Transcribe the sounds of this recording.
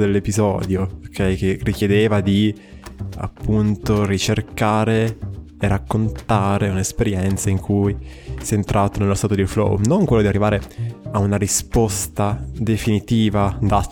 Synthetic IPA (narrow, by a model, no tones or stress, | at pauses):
d̪elːepizɔ̰ːd̪jookʰɛjkerik̟jed̪eːvad̪i | a̰pːunt̪orit͡ʃerkaːɾeː | rːakːont̪aːɾeunaespeɾjɛnt̪saiŋkʰujsɛːnt̪ɾʔaːt̪onelːost̪at̪od̪iflo̰wnoŋkwelːod̪iarːivaːɾeaunaɾispost̪ad̪efinit̪iːvad̪a